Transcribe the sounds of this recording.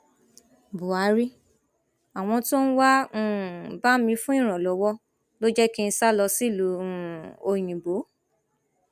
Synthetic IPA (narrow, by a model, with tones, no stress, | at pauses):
bu˨a˨˦ɾi˦ | a˨w̃ɔ̃˧to˦n̩˦wã˦˨ba˦mĩ˧˦fũ˦ĩ˦˨ɾ̃ɔ̃˨lɔ˨˦wɔ˦ | lo˦d͡ʒɛ˦ki˦n̩˧sa˦lɔ˧si˦˨lu˨˦˨o˧j̃ĩ˨bo˨˦